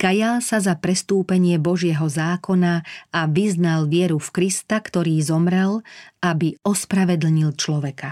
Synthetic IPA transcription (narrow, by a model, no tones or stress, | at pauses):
kajalsazapɾɛst̪uːpɛɲɪɛbɔʒɪɛɦɔzaːkɔnaaʋiznalʋɪɛɾufkɾist̪akt̪ɔɾiːzɔmɾɛlabiɔspɾaʋɛd̪l̩ɲilt͡ʃlɔʋɛka